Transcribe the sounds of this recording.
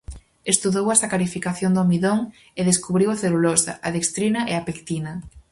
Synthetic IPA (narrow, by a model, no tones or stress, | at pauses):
est̪uðowɛsɐkaɾifikaθjond̪omiðoŋ | eðeskuβɾiwaθelulosɐ̰ʔaðekst̪ɾinɐʔeapekt̪inɐ